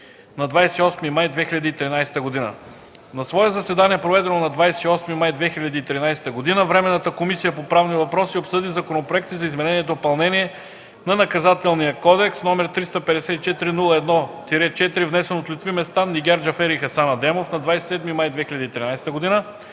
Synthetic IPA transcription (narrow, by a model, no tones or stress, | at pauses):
nɐd̪vajsɛ̥iɔsmimajd̪vɛxilʲʎʲɐd̪iːt̪ɾinajsɛ̥t̪əɡod̪inə̰ | nɐsvɔɛzɐsvɛd̪aniɛpɾovɛd̪ɛnonɐd̪vajsɛiɔsmimajd̪vɛxiʎʲɐd̪iːt̪ɾinajsɛ̥t̪əɡod̪inəvɾɛmɛnːət̪əkomisijəpopɾavnivɐpɾɔsiopsɤd̪izɐkonopɾoɛk̚t̪izɐizmɛnɛniɛd̪oːpɐlˠnɛniɛ | nɐnɐkɐzat̪ɛlˠnijəkɔd̪ɛksnɔmɛɾt̪ɾist̪ɐpɛd̪ɛsɛt̪it͡ʃɛt̪iɾinulˠəɛd̪nɔt̪iɾɛt͡ʃɛt̪iɾivnɛsɛnot̪lʲit̪vimɛst̪aniɡʲɛɾd͡ʒɐfɛɾixɐsanɐd̪ɛmofnɐd̪vajsɛ̥sɛd̪mimajd̪vɛxilʎʲɐd̪iːt̪ɾinajsɛ̥t̪əɡod̪inə